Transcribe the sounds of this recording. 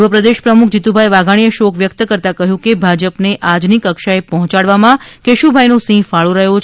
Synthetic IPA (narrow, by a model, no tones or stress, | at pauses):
ʋəpɾəd̪eʃpɾəmukʰd͡ʒit̪ubʱajʋaɡʱaɽ̃ijəʃokʰʋjək̚t̪əkəɾt̪akəɦjũkebʱad͡ʒəpneʔad͡ʒnikəkʃaepɔɦɔ̃t͡ʃaɽʋamãkeʃubʱajnõsĩfaɭuɾəɦjot͡ʃ